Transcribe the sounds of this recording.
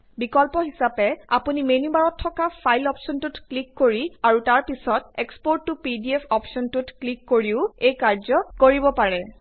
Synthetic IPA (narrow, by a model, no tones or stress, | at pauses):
bikɔlpɔɦisapɛapunimenibaɹɔtʰːɔkapʰajlɔpsɔntutklikːoɹiaɹutaɹpisɔt̚ekspoɹtːupidiepʰɔpsɔntutklikːoɹiʊejkaɹzɔkoɹibɔpaɹɛ